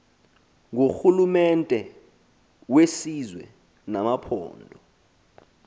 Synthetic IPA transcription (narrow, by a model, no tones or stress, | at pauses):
ŋoxulumɛntʼɛ | wesizwɛ | namapʰɔ̰ːndʱɔ